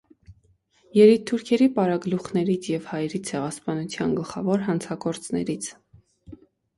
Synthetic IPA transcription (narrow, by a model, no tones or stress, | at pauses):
jɛɾit̪ʰːuɾkʰɛɾipɑɾɑɡluχnɛɾit͡sʰjɛvhɑjɾit͡sʰɛʁɑspɑnut͡sʰjɑnɡəlχɑ̰vɔɾɦɑnt͡sʰɑɡɔɾt͡snɛ̰ɾit͡sʰ